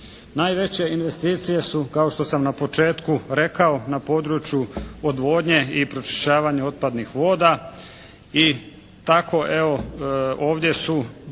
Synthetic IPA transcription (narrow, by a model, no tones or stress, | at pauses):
naːjʋe̞t͡ɕe̞inʋe̞st̪iːt̪sije̞sukao̞ʃt̪o̞samnapo̞t͡ʃe̞ːt̪kuɾe̞kao̞napo̞ːd̪ɾut͡ɕjuod̪ʋo̞ːd̪ɲe̞ipɾo̞t͡ʃi̥ʃt͡ɕaːʋaɲeo̞t̪̚pad̪nixʋo̞ːd̪a | i | t̪akʰo̞ʔeo̞oːʋd̪je̞su